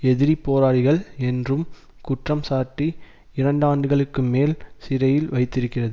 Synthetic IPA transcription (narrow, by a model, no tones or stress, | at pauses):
ɛðɪɾipːoːɾaːɽɪɣɐɭɛndrɯm | kʊʈrɐmsaːʈːi | ɪɾɐɳɖaːɳɖɯɣɐɭɯkːɯmeːlsɪɾɐjɪlʋɐɪt̪ːɪɾɯkːɪrɐðɯ